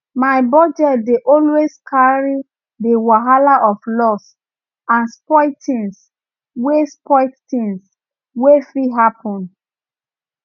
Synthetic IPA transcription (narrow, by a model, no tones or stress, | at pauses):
maɪbɔd͡ʒɛt̚deʔɔlweskʰaɹi | dəwaɦalaʔɔflɔs | ãnspɔɪtĩns | wespɔɪttĩŋs | wefɹiɦapɔ̃n